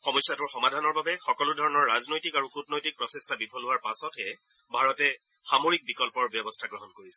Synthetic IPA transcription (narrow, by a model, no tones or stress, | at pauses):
xɔmɔjsjatʊɹxɔmadʱanɔɹbabɛxɔkɔludʱɔɹɔnɔɹːaznojtikaɹukutnojtik̚pɹɔsestʰabipʰɔlɦʊaɹpasɔtɛ | bʱaɹɔtɛ | xamoɹik̚bikɔlpɔɹbjɔbɔstʰaɡɹɔɦɔnkoɹisɛ̥